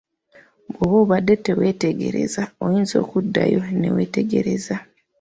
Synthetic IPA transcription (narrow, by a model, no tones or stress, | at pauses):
βoβoβadeteweteɡe̞̰ɾḛzaojinzo̞̰ːkudːa̰jonḛweːteɡeɾeza